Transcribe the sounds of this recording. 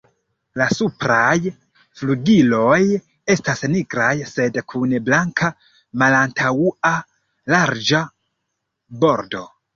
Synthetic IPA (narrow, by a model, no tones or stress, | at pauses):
lasupɾaj | fluɡilo̞j | e̞stasniɡɾajse̞dkʰunblaŋkʰa | malantʰawua | laɾd͡ʒa | bo̞ɾdo̞